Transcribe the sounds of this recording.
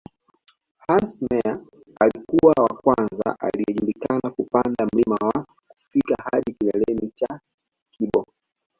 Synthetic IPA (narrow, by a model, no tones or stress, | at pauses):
hansmɛa | alikuwawakwanza̰ʔaliɛʄulikanakupandam̩limawa | ku̥fikahaɗikilɛlɛmit͡ʃa | kiɓɔ